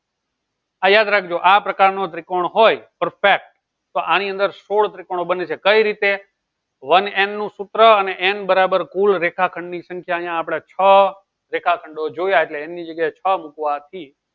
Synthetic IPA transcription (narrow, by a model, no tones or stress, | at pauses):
ajad̪ɾakʰd͡ʒoʔapɾəkaɾnot̪ɾɪkoɳɦojpəɾfek̚ʈ | t̪oʔaniə̃nd̪əɾsoɭt̪ɾɪkoɳ̃obənet͡ʃʰekəiɾit̪e | ʋənennũsut̪ɾəəneʔenbəɾabəɾkulɾekʰakʰəɳɖnisə̃ŋkʰjaəɦjãːpɽ̃at͡ʃʰə | ɾekʰakʰəɳɖod͡ʒojaeʈleːnːid͡ʒəɡjaet͡ʃʰəmukʋat̪ʰi